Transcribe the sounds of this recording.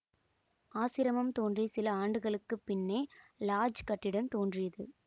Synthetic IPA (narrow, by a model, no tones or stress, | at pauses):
aːsɪɾɐmɐmt̪oːndrisɪlɐaːɳɖɯɣɐɭɯkːɯpːɪnːeːlaːd͡ʒkɐʈːɪɽɐmt̪oːndrɪjɐðɯ̰